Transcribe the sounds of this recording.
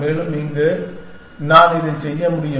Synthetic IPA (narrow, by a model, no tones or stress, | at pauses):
meːlɯmniːŋɡɐ | naːnɪðɐɪsɛjːɐmʊɽɪjɐ